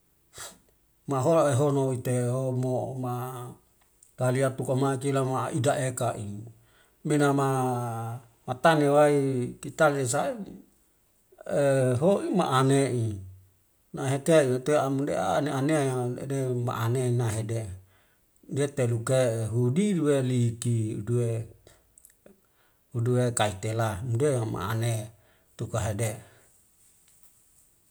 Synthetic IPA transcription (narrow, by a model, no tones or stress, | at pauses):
maɦolaeɦonowit̪eɦomoma | t̪aliat̪ukomakilamaʔidaʔekaʔi | minama | mat̪anewaik̪it̪ales̬ai | eɦoima̰ʔaneʔi | naɦet̪einat̪uamudḛa̰neaneaaḛdema̰ʔaneinaɦede | det̪elukeɦudiduwelikiudue | uduwekait̪elamudema̰a̰ne | t̪ukaɦede